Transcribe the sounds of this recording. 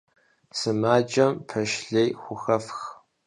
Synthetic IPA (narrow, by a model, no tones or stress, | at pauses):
sɨmaːd͡ʒʼɐmpʰɐʃɮejxʷʊxɐfx